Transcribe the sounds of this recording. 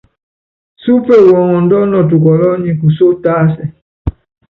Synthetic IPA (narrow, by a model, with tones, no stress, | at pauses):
su˦pɛ˦˨wɔ˨ŋɔ˨ndɔ˦nɔ˨t̬u˨kɔ˨lɔ˦ɲĩ˨ku˨so˦taː˦sɛ˨